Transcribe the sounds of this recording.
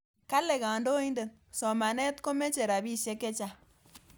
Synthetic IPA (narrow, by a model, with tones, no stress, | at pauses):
ka˦le˨ka˨ndo˦i˦nde˨n | sɔ˨ma˨nɛ˦tko˦me˦t͡ʃe˨ɾa˨bi˦ʃe˦kːe˦t͡ʃa˦